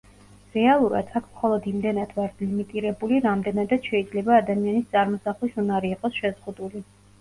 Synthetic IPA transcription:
ɾɛalˠuɾa̰d̪̥ʰakʰmχɔlˠɔd̪imd̪ɛnad̪vaɾt̪ʰlimit̪ʼiɾɛbuliɾamd̪ɛnad̪at̪ʃɛid̪zlɛbaːd̪amianist̪sʼaɾmɔsaχlisunaɾiːqʼɔsʃɛzʁud̪uli

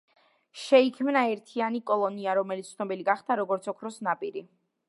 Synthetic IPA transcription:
ʃɛikʰmnaɛɾt̪ʰianikʼɔlˠɔniaɾɔmɛlit̪sʰnɔbiliɡaχd̪aɾɔɡɔɾt̪sʰɔkʰɾɔsnapʼiɾi

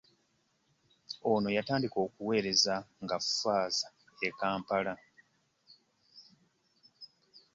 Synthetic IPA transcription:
o̞ːno̞jataːndiko̞ːkuwe̞ːɾe̞zaŋɡaffaːza | ekaːmpala

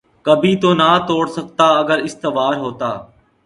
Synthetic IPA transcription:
kəbʱiːt̪oːnaːt̪oːɽsək̚t̪aːəɡəɾɪst̪əʋaːɾɦoːt̪a̰ː

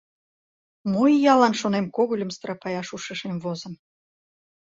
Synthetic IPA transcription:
mojjɑlˠɑnʃonemkoɣulʲə̆mst̪ɾɑpɑjɑʃuʃəʃemvozə̆m

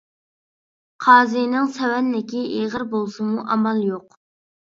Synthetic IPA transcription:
qʰɑːzijnɨŋsɛwɛnlɪkʲiʔeʁəɾbolˠsɨmuʔɑmɑlˠjoq

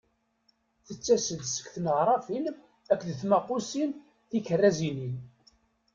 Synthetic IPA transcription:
θət͡sːæsəðsə̥kθnəʁɾˤɑfilm | ækːðəθmæqusin | θikərːæzinin

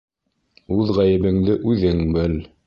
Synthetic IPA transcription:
ʉðʁæjɘ̆βɘ̆ŋd̪ɘʔʉðɘŋbɘl

